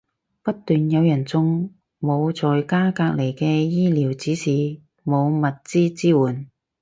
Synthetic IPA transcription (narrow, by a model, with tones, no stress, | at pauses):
pɐ˥t̚t̪ːyː˨njɐ˨˧wjɐ˨˩nt͡sʊ˥ŋ | mo˨˧wt͡sɔː˨jkaː˥kaː˧k̚le˨˩jkɛː˧jiː˥liː˨˩wt͡siː˨˥siː˨˩ | mo˨˧wmɐ˨t̚t͡siː˥t͡siː˥wuː˨˩n